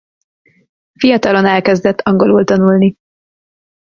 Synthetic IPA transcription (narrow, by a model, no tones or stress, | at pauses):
fijɒt̪ɒlo̞nɛlkɛzd̪ɛt̪ʰːɒŋɡo̞lult̪ɒnulni